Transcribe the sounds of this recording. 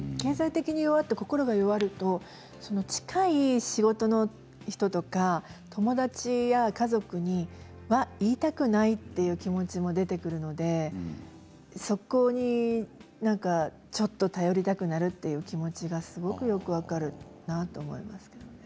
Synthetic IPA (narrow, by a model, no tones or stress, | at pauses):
ke̞ːzait̪e̞kʲiɲ̟ijo̞βat̪ːako̞ko̞ɾo̞ɡajo̞βaɾɯ̟t̪o̞ | so̞no̞t͡ɕi̥kaiɕiɡo̞t̪o̞no̞ | çi̥t̪o̞t̪o̞kat̪ʰo̞mo̞d̪at͡ɕijakazo̞kɯ̟ɲ̟i | βaiːt̪akɯ̟nait̪ːe̞jɯ̟ːkʲimo̞t͡ɕimo̞d̪e̞t̪e̞kɯ̟ɾɯ̟no̞d̪e̞ | so̞ko̞ɲ̟inãŋka | t͡ɕo̞t̪ːo̞t̪ajo̞ɾʲit̪akɯ̟naɾɯ̟t̪ːe̞jɯ̟ːkʲimo̞t͡ɕiɡasɨɡo̞kɯ̟jo̞kɯ̟βakaɾɯ̟nat̪o̞ːmo̞̰imasɨ̥ke̞d̪one